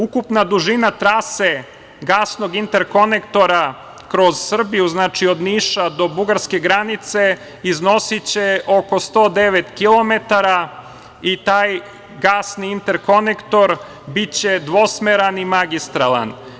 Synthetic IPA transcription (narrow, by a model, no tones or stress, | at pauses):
ukupnad̪uʒinat̪ɾase | ɡaːsno̞ɡint̪e̞ɾko̞nekt̪o̞ɾa | kɾo̞zsr̩bijuznaːt͡ʃio̞d̪niːʃad̪o̞buɡaɾske̞ɡɾanit̪se̞ | izno̞sit͡ɕeʔo̞ko̞st̪o̞ːd̪e̞ʋet̪kilˠo̞met̪aɾa | it̪aːj | ɡaːsniint̪e̞ɾko̞nekt̪o̞ɾ | bit͡ɕe̞d̪ʋo̞smeɾanimaɡist̪ɾalˠa̰n